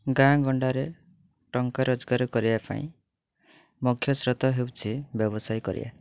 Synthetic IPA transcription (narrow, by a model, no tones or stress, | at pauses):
ɡãɡɔɳɖaɾe | ʈɔŋkaɾɔd͡ʒɡaɾɔkɔɾibapa̰ḭ̃ | mukʰjɔsɾɔt̪ɔɦewt͡ʃʰibjɔbɔsajkɔ̰ɾḭba̰